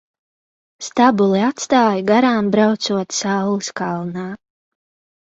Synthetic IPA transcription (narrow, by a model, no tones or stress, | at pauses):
st̪abulˠiat̪st̪aːjɡaɾaːmbɾawt̪suɔt̪sawlɨskalˠnaː